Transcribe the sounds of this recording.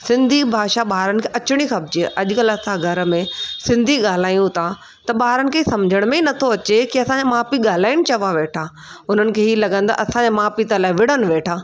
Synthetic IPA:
sɪ̃nd̪ʱibʱaːʃaɓaːɾənɪ̆kʰeʔɐt͡ɕɪɽ̃ixɐbd͡ʑiʔɐʄʊkɐlɐsãɡʱɐɾmẽsɪ̃nd̪ʱiɠaːl̤aːjũt̪ʰa | t̪ɐɓaːɦɾənɪ̆kʰeːsɐmd͡ʑʱəɽ̃mẽinɐt̪ʰoɐt͡ɕekiɐsãɲd͡ʑemaːpiɠaːl̤aːɪɽ̃ɪ̆t͡ɕɐʋaʋeːʈʰaː | ʊn̤ənɪ̆kʰeːɦilɐɠə̃n̆d̪a̰ʔɐsãɲd͡ʑemaːpit̪əlaːɪʋɪɽənɪ̆ʋeːʈʰaː

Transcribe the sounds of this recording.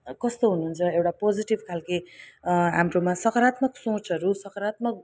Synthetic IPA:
kʌst̪oɦunuːnt͡sʰʌewʈapod͡ziʈibkʰalki | ɦa̰mɾomasʌkʌɾat̪mʌksõt͡sʌɾusʌkʌɾat̪̚mʌk̚

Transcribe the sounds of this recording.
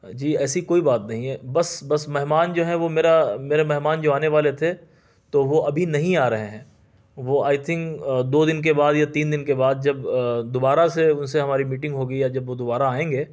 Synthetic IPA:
d͡ʒiːɛːsikoːibaːt̪nɐɦĩɦɛbɐsbɐsmɛɦmaːnd͡ʒoːɦɛ̃ʋomeːɾameːɾemɛɦmaːnd͡ʒoːaːneʋaːlet̪ʰe | t̪oʋoʔɐbʱinɐɦĩaːɾɐɦeɦɛ̃ː | ʋoaːɪt̪ʰɪ̃ŋkd̪oːd̪ɪnk̬ebaːd̪jat̪iːnd̪ɪnkebaːd̪̚d͡ʒɐbd̪ʊbaːɾaseʊnseɦɐmaːɾimiːʈɪ̃ŋɡɦoːɡəijad͡ʒɐbʋod̪ʊbaːɾaːẽːŋɡeː

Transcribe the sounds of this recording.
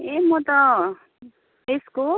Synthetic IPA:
emʌt̪ʌ | esko

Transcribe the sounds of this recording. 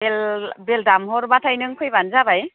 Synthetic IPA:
belbeldamhɔɾmatʰajnɯŋkʰɯjbanzabaj

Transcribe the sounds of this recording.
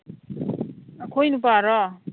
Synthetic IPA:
akʰojnupaɾɔ

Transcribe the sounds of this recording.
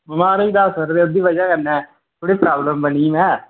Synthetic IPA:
bəmaːɾid̪aːsəɾd̪eːʊd̪iːʋəd͡ʒaːkənɛ̃ː | t̪ʰoːɽeːpɾaːbləmbəniːmɛ̃ː

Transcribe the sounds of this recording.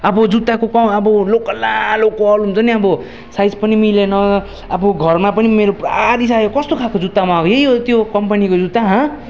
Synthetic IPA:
ʌbʌd͡zut̪ːakokaʌbʌlokʌlalokːoʌlumt͡sʌniʌbʌ | sajd͡zpʌnimilenʌ | aboɡʱʌrmapʌnimeɾopraɾis̬ajokʌst̪okʰakod͡zut̪ːamaʌjejot̪jokʌmpʌnikod͡zut̪ːaɦʌ̃

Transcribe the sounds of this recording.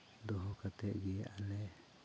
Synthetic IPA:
d̪ɔɦɔkat̪ɛʔɡianɛ

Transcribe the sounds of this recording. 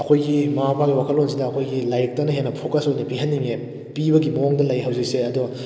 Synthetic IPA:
ɐkʰojɡimɐapʰaɡiwakʰɐlonsidɐɐkʰojɡilajɾik̚tɐnɐɦenːɐpʰokɐsojnɐpiɦɐnːiŋe | pibɐɡimɐoŋdɐlɐjɦɐwzɐkseɐdo

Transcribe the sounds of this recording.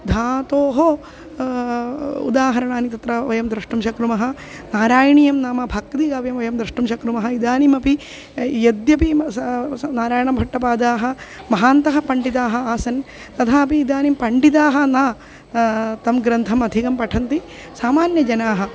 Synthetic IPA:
d̪ʱaːt̪oːɦo | ṵd̪aːɦɐɾɐɳaːnit̪ɐt̪ɾɐʋɐjɐmd̪ɾɐʂʈumʃɐkɾumɐɦɐ̆ | naːɾaːjɐɳijɐmnaːmɐbʱɐk̚d̪ikaːʋjɐmʋɐjɐmd̪ɾɐʂʈumʃɐkɾumɐɦɐid̪aːnimɐpi | jɐd̪jɐpi | naːɾaːjɐɳɐmbʱɐʈːɐpaːd̪aːɦɐmɐɦaːnt̪ɐɦɐpɐɳɖit̪aːɦɐaːsɐn | t̪ɐt̪ʰaːɐpiːd̪aːnimpɐɳɖit̪̬aːɦɐ̆naː | t̪ɐmɡɾɐnt̪ʰɐmɐd̪ʱikɐmpɐʈʰɐnt̪i | saːmaːnjɐd͡ʒɐnaːɦɐ

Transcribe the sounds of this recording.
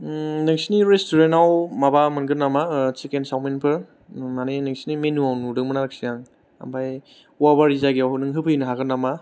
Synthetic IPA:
nɯŋsiniɾestuɾenawmabamɯnɡɯnːamat͡ʃikensawmenpʰɯɾ | manenɯŋsinimenuawnudɯŋmɯnaɾɯksijaŋ | a̰mbʰaj | wabaɾizaɡiawɦɯnɯŋɦɯpʰɯjnɯɦaɡɯnama

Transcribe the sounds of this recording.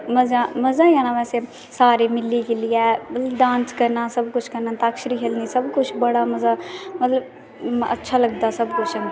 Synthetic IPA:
məzãːməzaːjãːnãʋɛːse | saːɾeːmɪlːiːkelɪjɛmət̪ləbɖãːnskəɾnaːsəbkʊt͡ʃʰkəɾnaːt̪aːkʃɾiːɦʰelniːsəbkʊt͡ʃʰbəɽaːməzaːmət̪ləb | ə̰tːʃʰaːləɡd̪aːsəbkʊt͡ʃʰə

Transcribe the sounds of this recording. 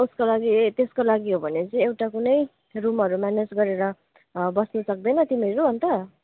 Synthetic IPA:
uskolaɡit̪eskolaɡiɦobʱʌnet͡sʌĩewʈakunʌj | rumɦʌɾumaned͡zɡʌɾeɾʌ | bʌsnʌsʌk̚d̪ʌjnʌt̪imeɾuɦʌnt̪ʌ

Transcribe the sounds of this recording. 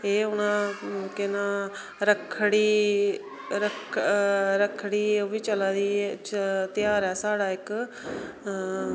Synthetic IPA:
eːʊnamʊ̃ːkenaː | ɾəkʰɽiː | ɾək | ɾəkʰɽiːoʋit͡ʃɐlaːd̪iː | t̪jaːɾɛːsaːɽaːɦɪk

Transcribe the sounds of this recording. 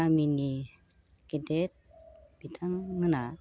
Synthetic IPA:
amini | kedet̪̚b̥it̪ʰaŋːəna

